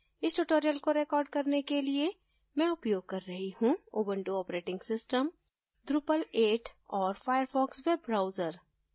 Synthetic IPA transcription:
ɪsʈuʈoːɾijəlkoɾekɔːɾɖ̚kɐɾnekelie | mɛ̃ʊpjoːɡ̚kɐɾːɐɦihũoːbə̃ɳʈuɔːpɾeːʈɪ̃ŋɡsɪsʈəm | ɖ̪ɾupəleːʈɔːɾfaːjəɾfɔːkswebːɾaːʊzəɾ

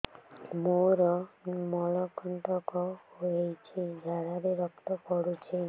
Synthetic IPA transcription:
moɾɔnmɔlɔkɔɳʈɔkɔhoejt͡ʃʰid͡ʒʱaɽaɾeɾɔkt̪ɔkɔɽut͡ʃʰi

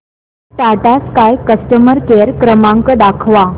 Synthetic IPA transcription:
t̪aʈaskajkəsʈəməɾkeɾkɾəmãŋkəd̪akʰʋa

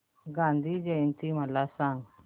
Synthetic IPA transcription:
ɡãːnd̪ʱiːd͡ʒeint̪iːməlaːsãːŋ

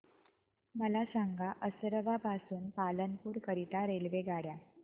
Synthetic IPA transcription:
məlasaŋɡʱaʔəsɾəʋapasuːnpalənpuːɾkəɾit̪aɾelʋeɡʱaɽja

